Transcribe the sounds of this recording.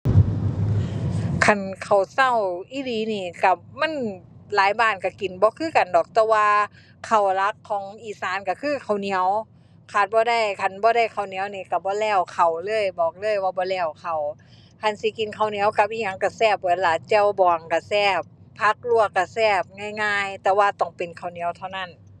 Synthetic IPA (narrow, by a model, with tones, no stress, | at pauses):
kʰa˧˩nkʰa˨˩wsa˧˩˨wʔiː˧˨liː˧˦niː˧˩ka˧˩ma˧˥˨nlaː˨˦jbaː˧˩˨nka˧˩ki˨˩nbɔː˧˦kʰɯː˧˥˨ka˨ndɔː˨˩k̚t̪ɛː˧waː˧ | kʰa˨˩wla˧˥kʰːɔː˨˦ŋʔiː˧˩saː˨˦nka˧˩kʰɯː˧˨kʰa˨˩wni˧˨˦əw | kʰaː˧˩t̪̚bɔː˧˦da˧˨jkʰa˧˩nbɔː˧˦ɾa˧˩jkʰa˨˩wni˧˦ə˨wniː˧˩ka˧˩bɔː˧˦lɛː˧˩wkʰa˨˩wlɤː˧˥˨jbɔː˨˩k̚lɤː˧˥˨jwaː˧˩bɔː˧˦lɛː˧˩wkʰa˨˩w | kʰa˧˩˨nsi˧˦ki˨nkʰa˧˩wni˧˦ə˦wka˧˦p̚ʔiː˧˩ɲa˧˨ŋka˧˩sɛː˧˩p̚bɔ˨˦laː˨˩t͡ɕɛː˧˩˨wbɔː˨ŋka˧˩sɛː˧˩pʰːa˧˩k̚lu˧əkːa˧˩sɛː˧˩p̚ŋaː˧˨jŋaː˧˨jt̪ɛː˧waː˧t̪ɔ˧˩ŋpe˨nkʰa˨˩wni˨˧˦əwt̪ʰa˧˩wna˧˩˨n